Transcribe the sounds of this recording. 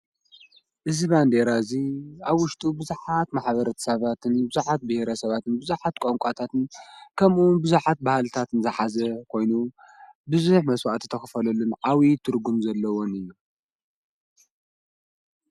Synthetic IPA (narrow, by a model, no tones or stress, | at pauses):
ʔɨziβand̪eɾaziaβwʊʃt̪ʼubɨzuħat̪maħβɐɾɐt̪ʰɐ̥sɐβat̪ʰɨnbɨzuħat̪̚bɨhɾɐsɐβat̪ʰɨnbɨzuħat̪̚kʼoŋkʷʼat̪ʰat̪ɨnkʰɐmunbɨzuħat̪̚bahalt̪ʰat̪ɨnzɐħazɐkʰo̞jnu | bɨzuħmɐswaʔt̪ʰɨ̥t̪ʰɐxɨfɐlɐlunʕawit̪ʰɨɾɡumzɐlːɐwonɨjːu